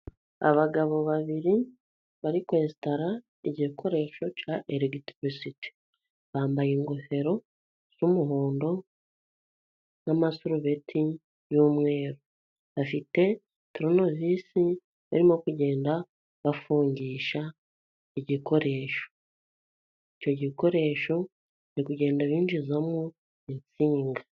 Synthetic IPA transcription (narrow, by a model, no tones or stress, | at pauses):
a̰βaɡaβo̞βaβiɾi | βaɾikweːsi̥taɾa | iɟikʰo̞ɾe̞ːʃo̞caʔeɾeɡitɾisiti̥ | βaːmbajiŋɡohe̞ɾo̞ | z̥umuɦoːndo̞ | namasuɾuβetʰi | juːmŋe̞ːɾo | βafite̞ | tɾono̞visi | βa̰ɾimo̞kuɟe̞ːnda | βafuːɲɟiːʃa | iɟiko̞ɾe̞ːʃo̥ | ico̞ɟiko̞ɾe̞ʃo̞ | ɾikuɟe̞ːndaβiːnd͡ʒizamŋu | int͡siːŋɡa